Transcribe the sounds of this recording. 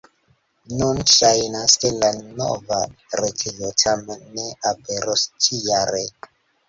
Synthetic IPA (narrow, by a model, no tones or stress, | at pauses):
nunʃajnaskelano̰vaɾetʰijotʰamenːeʔapeɾost͡ʃijaɾe